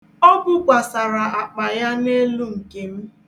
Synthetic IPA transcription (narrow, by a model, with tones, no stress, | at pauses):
ɔ˦ɡʊ˦ɡʷa˨sa˨ɾa˨a˨k͡pa˨ja˦ne˦lu˦ŋ̩˨ke˨m̩˦